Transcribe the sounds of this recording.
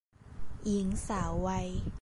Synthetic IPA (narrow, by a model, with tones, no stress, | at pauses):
ʔi˩˦ŋsaː˩˦wːa˧j